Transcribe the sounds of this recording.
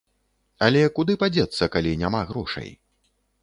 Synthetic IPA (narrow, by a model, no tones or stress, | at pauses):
alʲɛkud̪ɨpad͡zʲɛt̪sːɐkalʲinʲamaɣɾɔʂɐ̰j